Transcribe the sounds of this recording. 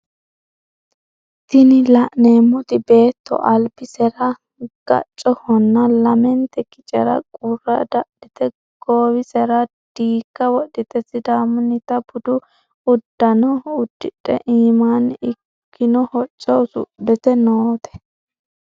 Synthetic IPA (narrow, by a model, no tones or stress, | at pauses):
t̪ɪnɪlɐʔneːmːʊt̪ɪbe̞ːt̪ːɔ̰ʔɐlbɪsɛɾɐ | ɡ̥ɐ̰t͡ʃʼːɔhɔnːɐlɐmɛnt̪ɛkɪ̥t͡ʃʼɛ̰ɾɐ̰kʼʊrːɐd̪ɐʔɗɪt̪ɛ | ɡ̥oːwɪsɛɾɐ | d̪̥iːkːɐwɔɗːɪt̪ɛsɪd̪aːmʊnɪt̪ɐb̥ʊd̪ʊ | ʊd̪ːɐnɔʊd̪ːɪᶑʼɛ̰ʔiːmanɪkːɪnɔhɔt͡ʃʼːɔwsʊ̰dɛt̪ɛnoːt̪ɛ̥